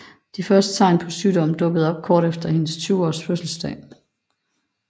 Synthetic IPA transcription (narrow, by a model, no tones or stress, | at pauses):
d̥ifɶɐsd̥ə̥t͡sʰɑ̈ɪ̰npʰɒ̽syːdɒ̽m̰d̥ɔ̽ɡ̥əð̞̩ˠɒ̽b̥̚kʰɒːɾ̥efd̥ɐhe̝nəst͡sʰyːʊɒ̰ːsføsl̩sd̥ɛ̰ː